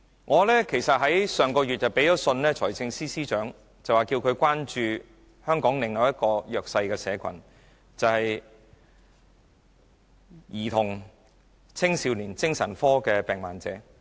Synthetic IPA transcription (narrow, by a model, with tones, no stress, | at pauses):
ŋɔː˨˧lɛː˥kʰe˨˩jsɐ˨t̚ɦɐ˨˥jsœː˨ŋkɔː˧ɥyː˨t̚jɐ˨wpe˨˥jt͡sɔː˨˥sɵ˧nlɛː˥t͡ʃʰɔː˨˩jt͡sɪ˧ŋsiː˥siː˥t͡ʃœː˨˥ŋ | t͡sɐ˨waː˨˩kiː˧wkʰɵ˨˧ɥkʷwaː˥nt͡ʃyː˧ | hœː˥ŋkɔː˨˥ŋlɪ˨ŋjɐ˨˧wjɐ˥t̚kɔː˧jœː˨k̚sɐ˧jkɛː˧sɛː˨˧kʷʰɐ̰˨˩n | t͡sɐ˨whɐ˨j | jiː˨˩t̪ʰʊ˨˩ŋ | t͡sʰɪ˥ŋsiː˧wliː˨˩nt͡sɪ˥ŋsɐ̰˨˩nfɔː˥kɛː˧pɛː˨ŋmaː˨˩nt͡sɛː˨˥